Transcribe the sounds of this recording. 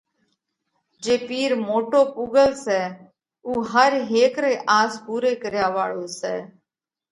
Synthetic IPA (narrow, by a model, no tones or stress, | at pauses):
d͡ʒeːpiːɾmoːʈoːpuːɡəlsɛː | uːɦəɾɦeːkɾeːʔaːspuːɾeːkəɾjaːʋaːɭoːsɛː